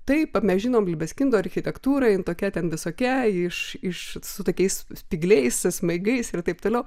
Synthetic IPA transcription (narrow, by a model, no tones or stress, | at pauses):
t̪ɐɪpɐmʲɛsʒʲɪnoːmlʲɪbʲɛsʲkʲɪnd̪oːɐɾʲxʲɪt̪ʲɛkt̪uːɾɐɪnt̪oːkʲɛt̪ʲɛnʋʲɪsoːkʲɛɪʃɪʃsʊt̪oːkʲɛɪssʲpʲiːɡlʲɛɪssmɐɪɡɐɪsɪrt̪ɐɪp̚t̪oːlʲɛʊ